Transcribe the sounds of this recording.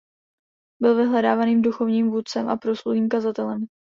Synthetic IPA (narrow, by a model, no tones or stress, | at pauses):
bɪlvɪɦlɛdaːvaniːmduxo̞vɲiːmvuːt̪t͡sɛmʔa̰pɾo̞sluɦiːmkazat̪ɛlɛm